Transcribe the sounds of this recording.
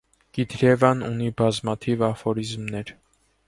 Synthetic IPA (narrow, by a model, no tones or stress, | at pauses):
kid̪ɾjɛvɑnṵnibɑzmɑt̪ʰivɑfɔɾizmnɛɾ